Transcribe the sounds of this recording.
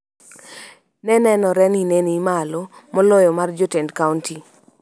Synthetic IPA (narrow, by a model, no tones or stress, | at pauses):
nɛnɛnɔɾɛninenimalomɔlɔjɔmard͡ʒotendkaunti